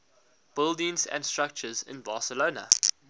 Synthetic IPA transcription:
b̥ɪldɪ̃nzæ̰̃ndstɹ̥ak̚t͡ʃəzɪ̰̃nbɑːˑsəloːnə̰

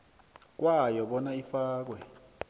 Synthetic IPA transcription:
k̬ʼwajɔɓɔnaifaːk̬wɛ

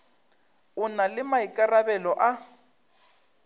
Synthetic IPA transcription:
ʊnalɪmaikʼarabɛlɔʔa

